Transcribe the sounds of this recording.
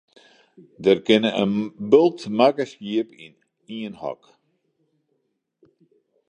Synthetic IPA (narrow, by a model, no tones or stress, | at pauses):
dərkɪnəə̰nbølˠtmakəsjiəpḭn | iənhɔ̰k